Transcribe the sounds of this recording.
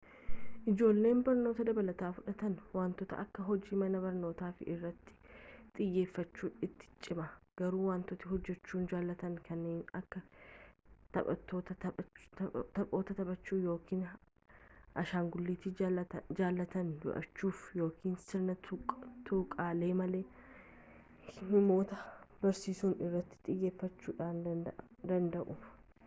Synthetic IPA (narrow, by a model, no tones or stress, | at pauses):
ʔɪd͡ʒo̞ːlːe̞ːnbɐɾno̞ːt̪ɐd̪ɐbɐlɐt̪aːfʊᶑɐt̪ɐnwaːnt̪ɔt̪ɐ̰ʔɐkːɐɦɔd͡ʒiːmɐnɐbɐɾno̞ːt̪aːfɪʔɪrːɐt̪ːɪ̥t̪ʼɪjːe̞ːfːɐt͡ʃːuːᶑɪt̪ːɪ̥t͡ʃʼːɪmɐɡ̥ɐɾuːwaːnt̪ɔt̪ɪɦɔd͡ʒːɛt͡ʃːuːnd͡ʒaːlːɐt̪ɐŋkʰɐnːeːnɐkːɐ | t̪ɐ̰ʔɐt̪ːoːt̪ɐɐ | t̪ɐpʼo̞ːt̪ɐt̪ɐbɐt͡ʃːuːjo̞ːkʰiːn | ʔɐ̰ʃaːŋɡʊlːiːt̪ɪd͡ʒaːlːɐt̪ɐnjɔ̰ʔɐ̰t͡ʃːuːfjo̞ːkʰiːnsɪɾnɐt̪ut̪ʰukʼaːle̞ːmɐle̞ː | nɪmo̞ːt̪ɐbɐɾsiːsuːnɪrːɐt̪ːɪ̥ᶑ̪ʼɪjeːfːɐt͡ʃːuːᶑaːnd̪ɐnd̪ɐʔʊ̥